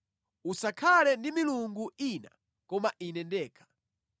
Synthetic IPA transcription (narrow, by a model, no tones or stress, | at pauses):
usakʰalɛndimiluŋɡuina̰ | kɔmaʔinɛndɛːkʰḁ